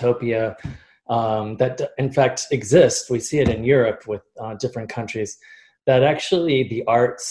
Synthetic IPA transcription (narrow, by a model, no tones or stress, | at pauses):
oʊpiɨ | mðɨt̚ɨ̃nfæk̚tɨɡzɪstwisiɨɾɨ̃njʊɹɨpʰwɪðdɪfɹɨ̃nkʰʌ̃nt͡ʃɹ̥iz | ðɨɾæk̚t͡ʃul̩ˠiðiʔɑɹts